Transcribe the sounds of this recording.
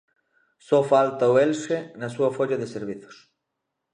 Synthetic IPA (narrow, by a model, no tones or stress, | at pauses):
sofalt̪aoelʃenɐsuɐfoʎaðeseɾβ̞iθo̥s